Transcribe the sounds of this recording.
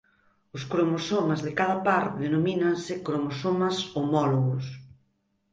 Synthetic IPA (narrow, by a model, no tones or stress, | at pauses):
ʊskɾomosomazðɪkaðɐpaɾðenominansɪkɾomosomɐsomɔloɣʊs